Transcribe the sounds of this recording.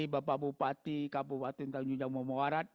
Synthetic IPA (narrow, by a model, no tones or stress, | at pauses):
ibapabupat̪ikabupat̪int̪ad͡ʒuɲd͡ʒaŋmomoaɾat̪̚